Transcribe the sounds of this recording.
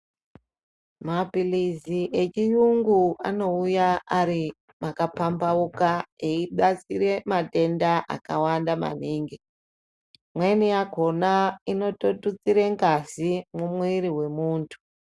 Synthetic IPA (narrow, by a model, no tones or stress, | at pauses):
mapiliziʔet͡ʃijuŋɡuano̞ujaaɾi | makapambaukaeiɓat͡siɾe̞mate̞ndaʔa̰kawandama̰niːŋɡi | mwenijaɡʱo̞naino̞totut͡siɾe̞ŋɡazimumwiɾiɦwe̞muːntʰu̥